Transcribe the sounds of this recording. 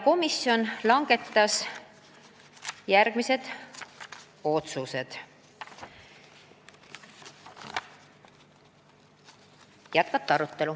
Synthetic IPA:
ko̞misjo̞nlɑŋɡ̥e̞t̪ːɑs | jærɡ̥mise̞d̪̥ | o̞t̪suse̞d̪̥ | jæt̪̚kɑt̪ːɑɾut̪ːe̞lu

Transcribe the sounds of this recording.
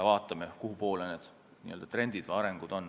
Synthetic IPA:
ɑvɑːt̪ːˑɑmekuɦupo̞ːlened̪̥ | niʔøld̪̥ɑt̪re̞nd̪̥id̪̥vɑjɑɾeŋɡ̥ud̪̥o̞n

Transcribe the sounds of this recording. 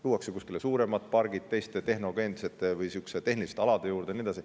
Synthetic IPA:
t̪uːwɑksekuskilesuːɾe̞mɑt̪̚ˑpɑrɡ̥it̪̚t̪ːe̞jst̪et̪e̞ɦno̞ɡe̞nd̪set̪ːˑevɯjsykset̪e̞ɦnilist̪ɑlɑd̪̥e̞juːɾd̪̥enied̪ɑsi

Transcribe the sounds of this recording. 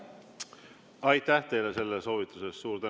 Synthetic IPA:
ɑjt̪ːæht̪e̞jle̞se̞lːeso̞ːvit̪ːˑuse̞st̪suːɾt̪æ

